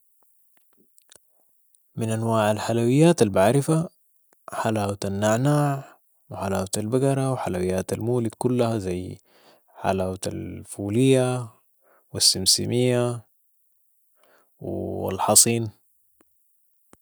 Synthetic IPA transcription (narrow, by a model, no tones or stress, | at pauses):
minʔanwaːʕalħalawijːaːt̪almaʕɾifa | ħalaːwat̪anːaʕnaːʕ | wɪħalaːwat̪albaɡɑɾˤawħalawijːaːt̪almuːlid̪kulːahazaj | ħa̰laːwat̪a̰lfuːlijːa | wisːimsḭmijːa | w̰a̰lħɑsˤiːn